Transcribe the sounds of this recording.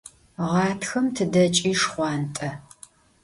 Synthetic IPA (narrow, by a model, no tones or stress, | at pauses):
ʁɑːtʰxɐmtʰɨdɐt͡ʃʼiːʂχʷɑːntʼɐ